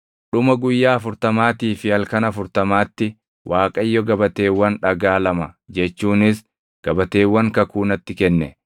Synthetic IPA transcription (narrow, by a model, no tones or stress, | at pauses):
ᶑʊmɐɡʊjːaːɐfʊɾt̪ɐmaːt̪iːfɪɐlkɐnɐfʊɾt̪ɐmaːt̪ːɪ | wʔaːkʼɐjːɔɡɐbɐt̪e̞ːwːɐnᶑɐɡaːlɐmɐd͡ʒɛt͡ʃːuːnɪs | ɡ̥ɐbɐt̪e̞ːwːɐŋkɐkuːnɐt̪ːɪkɛnːɛ